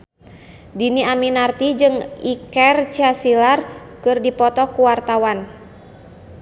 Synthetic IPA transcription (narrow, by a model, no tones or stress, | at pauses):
diniaminart̪id͡ʒɨŋikɛrt͡ʃasilarkɨrdipɔt̪ɔkuwart̪awan